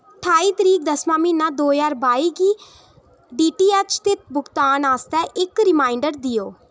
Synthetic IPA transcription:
ʈʰaːiːt̪əɾiːk̚d̪əsmãːmĩːnãːd̪oːjaːɾbaːiːɡiː | ɖiːʈiːɛːt͡ʃt̪ɪt̪̚ʰbʊɡt̪aːnaːst̪ɛːʔɪkɾɪmaːɪɳɖəɾd̪ɪjoː

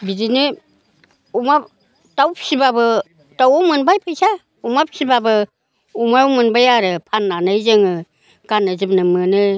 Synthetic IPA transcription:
bidinɯ | umap | tawp̚sibabɯ | tawɔmɯnbajpʰajsa | umap̚sibabɯ | umaɾumɯnbajaɾɯpʰanːanɯjzɯŋɯ | ɡanɯzɯpnɯmɯnɯ

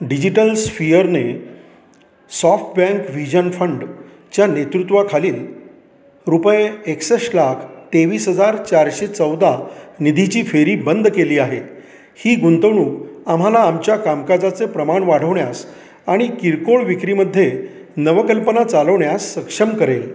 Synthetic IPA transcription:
ɖid͡ʑiʈəlsfijəɾne | sɔfʈbɛ̃ŋkʋid͡ʑənfəɳɖ | t͡ɕjanet̪ɾut̪ʋakʰaliːl | ɾupəjeeksəɕlakʰt̪eʋiːsɦəd͡zaɾt͡ɕaɾɕet͡səwd̪anid̪ʱit͡ɕiːfeɾiːbənd̪keliːaɦe | hiːɡunt̪əʋɳuːkam̤alaːmt͡ɕjakamkad͡zat͡sepɾəmaɳʋaɽ̤əʋɳjas | aɽ̃ikiɾkoɭʋikɾiːməd̪ʱːje | nəʋəkəlpənat͡saləʋɳjasːəkʂəmkəɾel

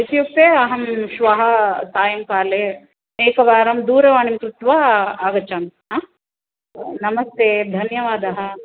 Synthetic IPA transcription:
it̪juk̚t̪eːɐɦɐmʃʋɐɦɐ̆saːjɐmkaːleː | eːkɐʋaːɾɐmd̪uːɾɐʋaːnimkɾut̪ʋaːaːɡɐt͡ʃaːmɦaː | nɐmɐst̪ʰeːd̪ʱɐnjɐʋaːd̪ɐɦɐ̆

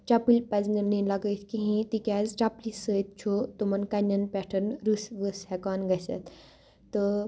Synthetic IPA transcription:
t͡ʃapilʲpɐznɐninlɐɡət̪ʰkiɦĩt̪ikʲaːzt͡ʃaplisəːt̪̚t͡ʃʰot̪umɐnkɐnʲːɐnpʲɛʈʰɐnɾusʋəshekaːnɡɐsɐ̰t̪ | t̪ɨ

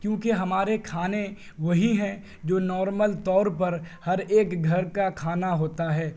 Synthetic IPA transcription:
kjõːkeɦɐmaːɾekʰaːne | ʋɐɦiɦɛ̃ | d͡ʒoːnɔːɾməlt̪ɔːɾpɐɾhɐɾeːkɡʱɐɾkakʰaːnaɦoːt̪aɦɛː

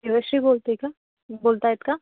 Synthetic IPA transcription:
iʋɐʃɾiboːlt̪eika | boːlt̪aɪt̪ka

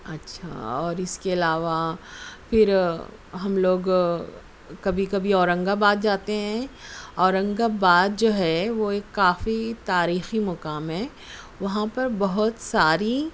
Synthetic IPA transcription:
ɐtːʃʰa̰ɔːɾɪskeɐlaːʋafɪɾ | ɦɐmloːɡ | kɐbʱikɐbʱiɔːɾə̃ŋɡabaːd̪̚d͡ʒaːt̪eɦɛ̃ɔːɾɐ̃ŋɡabaːd̪̚d͡ʒoːɦɛʋoeːkːaːfit̪aːɾiːximɔkaːmɦɛː | ʋɐɦãpɐɾbɐɦʊt̪saːɾi

